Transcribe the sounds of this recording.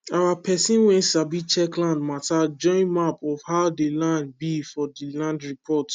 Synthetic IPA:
awapʰɛsĩnwɛ̃nsabit͡ʃɛklãndmatad͡ʒɔ̃ɪ̃nmapɔfhaʊdelãnd̚bifɔdilãndɹipʰɔt

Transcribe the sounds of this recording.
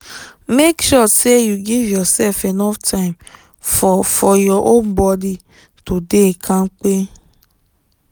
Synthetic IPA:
mekʃɔsejuɡivjɔsɛlfenɔftʰaɪ̃m | fɔjɔʔõnbɔdi | todekʰãŋ͡m̩k͡pe

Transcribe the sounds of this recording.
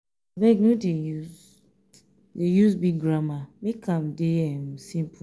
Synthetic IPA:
bɛɡnodeju | dejusbiɡ̚ɡɹamamekʰãmdeɛmsĩmpʰ

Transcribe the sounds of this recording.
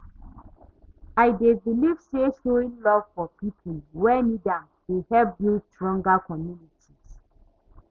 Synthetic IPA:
ajdeviliv̥seʃoĩnlɔv̥fɔpipʰulwɛnidãm | wehɛlp̚dilstɹɔ̃ŋɡakʰɔmjunitis

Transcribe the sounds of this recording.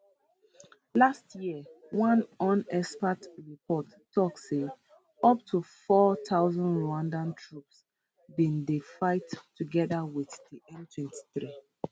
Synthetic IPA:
lastjiə | wʌ̃nɔ̃nɛspətɹipʰɔtːɔkse | ʌp̚tʰufɔtʰaʊzə̃ndɹãndãntʰɹups | bĩndefaɪtʰː | uɡɛðəwiθdiʔɛ̃ntʰwɛ̃nti̥θɹi

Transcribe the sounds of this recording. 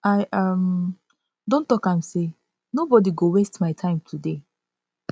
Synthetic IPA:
aɪam | dõntɔkãmse | nobɔdiɡowestmaɪtʰãɪ̃mtʰude

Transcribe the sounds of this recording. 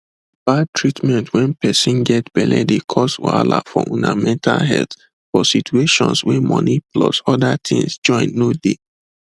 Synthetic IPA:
b̥ad̚tʰɹitmɛ̃ntʰwɛ̃npɛsĩnɡɛtb̥ɛlɛdekʰɔswa̰la̰fɔʔũnamɛ̃ntʰalɦɛlt | fɔsitʰueʃɔ̃nswɛ̃mɔniplɔsɔdatʰḭ̃ŋsd͡ʒɔ̃ɪ̃nːode

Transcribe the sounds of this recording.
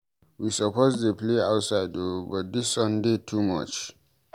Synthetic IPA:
wisɔpozdepleaʊtsaɪdobɔt̚disɔ̃ndetʰumʌ̰t͡ʃ

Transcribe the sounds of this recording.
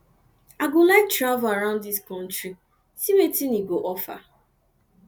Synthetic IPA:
aɡʊlak̚tɾavlaɾãʊ̃ndðiskɔ̃n̩tɾi | simetiniɡoʔɔfa̰

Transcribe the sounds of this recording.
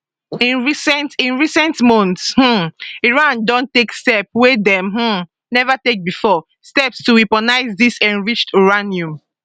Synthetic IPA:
ĩnɹisɛ̃ntĩnɹisɛ̃ntmɔ̃ntsh̩iɹãndɔ̃ntekstɛpwedɛ̃mɦ̩ | nɛvatek̚bifɔ | stɛpstuwipɔnaɪzdisɛ̃nɹit͡ʃtiɹanjũm

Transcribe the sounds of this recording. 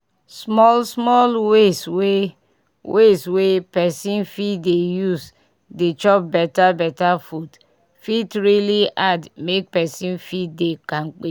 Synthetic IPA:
smɔlsmɔlweswe | weswepɛsĩnfitdejuz | det͡ʃɔp̚bɛtabɛtafud | fitɹiliʔadmek̚pɛsĩnfit̚dekãnk͡pe

